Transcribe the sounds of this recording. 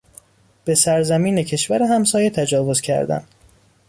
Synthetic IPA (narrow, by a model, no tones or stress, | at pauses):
b̥esæɾzæmiːnecʰe̞ʃvæɾeɦæmsɒːjet̪ʰæd͡ʒɒːvo̞zcʰæ̰ɾd̪æ̰n